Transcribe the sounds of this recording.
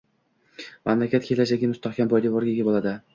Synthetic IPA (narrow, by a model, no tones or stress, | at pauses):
mamlakʲat̪̚kʲʰelad͡ʒaɡʲɪmʊst̪aχkʲambɒjd̪ɪvɒɾɡʲaɡʲabolˠad̪ɪ